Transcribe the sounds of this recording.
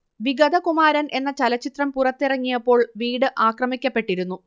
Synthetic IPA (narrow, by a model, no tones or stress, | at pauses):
ʋiɡɐd̪ʱɐkumaːɾɐne̞nːɐt͡ɕɐlɐt͡ɕːit̪rɐmpurɐt̪ːirɐŋːijɐpːo̞ːɭʋiːɽɨʔaːkrɐmikʲːɐpːe̞ʈːiɾunːu